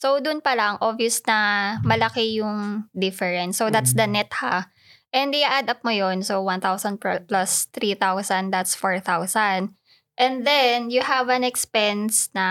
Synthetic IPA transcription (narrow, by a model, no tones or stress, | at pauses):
so̞wd̪ʊnpɐlaŋʔobijɐsnɐmɐlɐkɛjʊŋd̪ɪfɛɹɛnsːowd̪at̪sd̪ɐnɛt̪ha̰ | ʔɛnd̪ɪʔaʔad̪ap̚mojonsowwãnt̪awsɐnd̪pplast̪ɾiθawsɐnd̪d̪at̪sfoɹθawsɐnd̪̚ | ʔɛ̃nðɛnjʊhɐvɐ̃nɛkspɛnsnɐ